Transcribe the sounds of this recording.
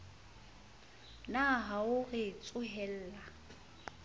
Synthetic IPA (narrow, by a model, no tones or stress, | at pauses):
naɦaʊrɪt͡sʼʊɦɛl̩ːla